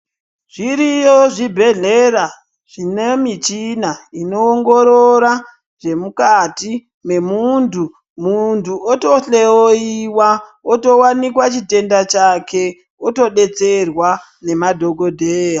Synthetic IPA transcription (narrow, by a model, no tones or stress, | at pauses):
ʐ̥iɾijoʐibʱe̞ɮeɾa | ʐ̥inemit͡ʃinaino̞ːŋɡo̞ɾoɾa | ʐe̞mukati | me̞muntu | muntʰuoto̞ɬe̞oiwaoto̞wanikwat͡ʃite̞ndat͡ʃake̞ | oto̞ɗe̞t͡se̞rwa | ne̞madʱo̞ɡo̞dʱeːja